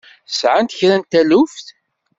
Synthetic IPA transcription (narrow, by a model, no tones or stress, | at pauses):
sʕant̪əçɾænt̪ælufθ